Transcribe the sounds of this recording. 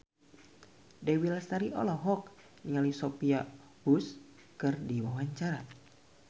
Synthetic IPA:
dɛwilast̪aɾiʔɔ̰lɔɦɔk̚ | iŋalisopia | bus | kɨrdiwawaɲt͡ʃaɾa

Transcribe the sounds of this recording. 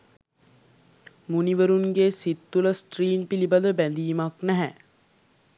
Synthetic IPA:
muniʋəɾuŋɡeːsit̪ːuləsʈriːnpilibad̪əbænd̪iːmaknæɦæ

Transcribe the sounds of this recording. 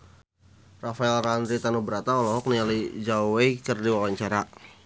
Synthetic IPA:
rafaɛlrand̪ɾit̪anubəɾat̪aɔlɔɦɔk̚nialid͡ʒauwekərdiwawaɲt͡ʃaɾa

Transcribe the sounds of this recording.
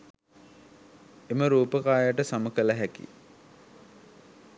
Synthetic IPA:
eməɾuːpəkaːjəʈəsaməkələɦækḭ

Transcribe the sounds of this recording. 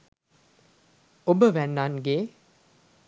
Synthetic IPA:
obəʋænːanɡeː

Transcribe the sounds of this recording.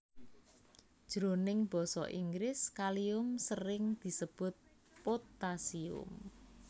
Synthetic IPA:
d̥ʒ̥ɾonɪŋb̥ɔ̤sɔ̰ʔiŋɡɾɪskaliʊmsəɾɪŋd̪̥i̤səb̥ʊ̤t̪̚ | pot̪asiʊ̰m

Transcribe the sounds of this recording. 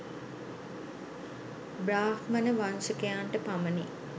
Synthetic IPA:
bɾaːfmənəʋansəkejaɳʈəpaməni

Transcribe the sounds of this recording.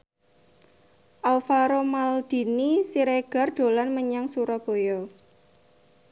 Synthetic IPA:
ʔalfaɾomald̪̥i̤nisiɾeɡ̥a̤rd̥o̤lanməɲaŋsuɾɔb̥o̤jɔ

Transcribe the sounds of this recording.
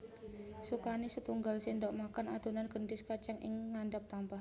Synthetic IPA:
sukanisət̪uŋɡalsindɔʔmakanad̪unanɡəndɪskat͡ʃaŋʔɪ̰ŋːandap̚t̪ampah

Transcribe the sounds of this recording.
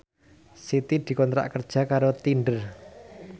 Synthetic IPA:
sit̪id̪̥i̤kɔnt̪ɾa̰ʔkərd̥ʒ̥a̤kaɾot̪iɳɖər

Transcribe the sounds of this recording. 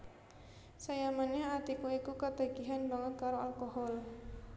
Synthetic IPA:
sajamanaat̪ikuikukət̪aɡ̥iɦanbaŋət̪̚kaɾoalkoɦɔl

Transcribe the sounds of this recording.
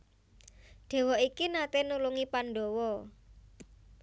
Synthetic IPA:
ɖ̪̥e̤wɔikinat̪enuluŋipanɖowɔ

